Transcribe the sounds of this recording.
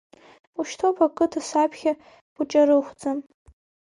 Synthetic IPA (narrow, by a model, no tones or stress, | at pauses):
uʃtʰopʰakʼɨtʰasapʰχʲa | b̥ut͡ʃʼaɾɨχʷd͡zam